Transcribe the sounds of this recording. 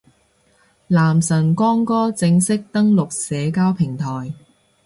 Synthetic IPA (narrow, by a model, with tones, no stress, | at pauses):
laː˨˩msɐ˨˩nkɔː˥ŋkɔː˥t͡sɪ˧ŋsɪ˥k̚t̪ɐ˥ŋlʊ˨k̚sɛː˨˧kaː˥wpʰɪ˨˩ŋt̪ʰɔː˨˩j